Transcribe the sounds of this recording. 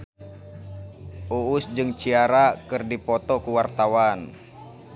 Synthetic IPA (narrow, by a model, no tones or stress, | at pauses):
ʔuusd͡ʒɨŋt͡ʃiaɾakɨrdipɔt̪ɔkuwart̪awan